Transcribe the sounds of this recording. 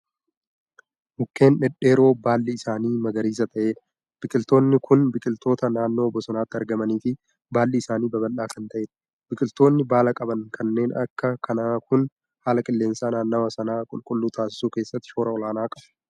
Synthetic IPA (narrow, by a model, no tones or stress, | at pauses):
ʔʊkːe̞ːnᶑɛᶑe̞ːɾo̞ːbaːlːɪɪsaːniːmɐɡɐɾiːs̬ɐt̪ʰɐʔe̞ːᶑɐ | b̥ɪkʼɪlt̪o̞ːnːɪkʰʊnbɪkʼɪlt̪o̞ːt̪ɐnaːnːo̞ːbːɔsɐnaːt̪ːɪɐɾɡɐmɐniːfɪ | baːlːɪɪsaːniːbɐbɐlːaːkɐnt̪ɐʔeːᶑɐ̥ | bɪkʼɪlt̪o̞ːnːɪbaːlɐkʼɐbɐnkʰɐnːe̞ːnɐ̰kːɐkʰɐnaːkʊn | haːlɐkʼɪlːe̞ːnsaːnaːnːɐwɐsɐnaːkʼʊlkʼʊlːuːt̪ʰaːsɪ̥suːke̞ːsːɐt̪ːɪ̥ʃo̞ːɾɐɔlaːnaːkʼɐb